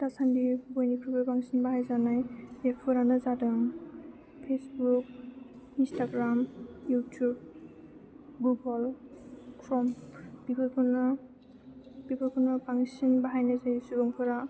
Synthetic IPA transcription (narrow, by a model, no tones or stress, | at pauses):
tasandibɔjnikʰɹɔbɔpaŋsɔnbaɦajzanajepʰuɾanɯzadɯm | pʰesbuk̚ | instʰaɡɹamjutʰub | ɡuɡɔl | kʰɹɔmb̥ikʰɔjkʰɔnɔ | b̥ikɔjkʰɔnɔpaŋsɔnbaɦajnajzajisulɔŋpʰɔɹa